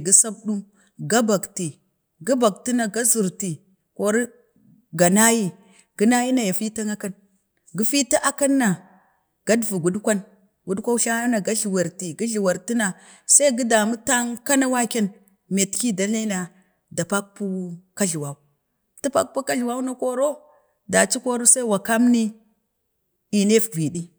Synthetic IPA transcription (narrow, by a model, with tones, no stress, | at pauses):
ɡi˦sa˦bɗu˦m | ɡa˦ba˨kti˨ | ɡa˦ba˨k̚ti˦na˨ɡa˦zu˨ɾti˨ | ko˨ɾi˦ | ɡa˨na˦ji˦ | ɡ̥i˦na˦ji˦na˨ja˨fi˦ta˦ŋa˦ka˦n | ɡi˦fi˦ta˦ʔa˦ka˦nːa˨ | ɡ̥a˦dvu˨ɡu˨dkʷa˦n | ɡu˨˦dkʷa˦u˦ʃa˦a˦na˨ɡa˦ɮi˨wa˨ɾti˨ɡi˦ɮi˨wa˨ɾti˦na˨ | sa˦i˦ɡi˦da˨mu˦ta˦ŋka˦na˦wa˦ke˦n | me˨tki˦da˨la˦na˨ | da˨pa˦k̚pu˦ka˦ɮi˨wa˨u˦ | tu˦pa̰˦k̚pu˦ka˦ɮi˨wa˦u˦na˦ko˦ɾo˦ | da˨t͡ʃi˦ko˦ɾo˦sa˦i˦wa˨ka˦mni˦ | i˨ne˦fvi˨ɗi˦